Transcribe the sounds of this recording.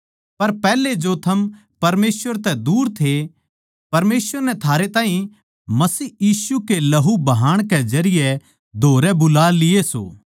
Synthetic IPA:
pɐɾpɛːled͡ʒot̪ʰɐm | pɐɾmeːsʋəɾt̪ɛd̪uːɾt̪ʰe | pɐɾmeːsʋəɾnɛt̪ʰaːɾet̪aːɦĩ | mɐsiːjiːsukelɐɦubɐɦaːɽ̃ked͡ʒɐɾɪjɛ | d̪ʱoːɾɛbʊlaːlɪeso̰ː

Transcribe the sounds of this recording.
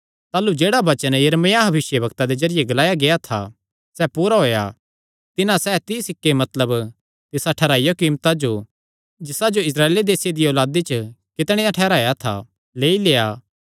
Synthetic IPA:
t̪aːlud͡ʒeːɽabɐt͡ʃənjɐɾmejaɦɐbɪʃjəbɐkt̪ad̪ed͡ʒɐɾɪjeɡɐlaːjaɡejat̪ʰa̰ | sɛpuːɾaɦoːja̰ | t̪ɪnãsɛːt̪ɪsɪkːemɐt̪ləb | t̪ɪsaʈʰɛːɾaːijokiːmt̪ad͡ʒo | d͡ʒɪsad͡ʒoɪsɾaːeːled̪eːsɪjed̪ijoːlaːd̪it͡ʃəkɪt̪ɽ̃ẽːjaʈʰɛːɾaːjat̪ʰa̰ | leːileːaː

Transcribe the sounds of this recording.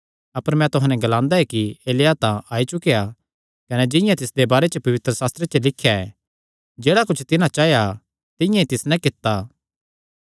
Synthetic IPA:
ɐpəɾmɛ̃t̪ʊɦãːnɛɡɐlãːnd̪aɦɛkieːlɪjat̪ãaːit͡ʃʊkeja | kɐned͡ʒɪ̃jãt̪ɪsd̪ebaːɾet͡ʃəpɐʋɪt̪ɾəsaːst̪ɾet͡ʃəlɪkʰːjaɛ | d͡ʒeːɽakʊt͡ʃʰt̪ɪnãt͡ʃaːja | t̪ɪ̃jãit̪ɪsnɛ̃kɪt̪ːa

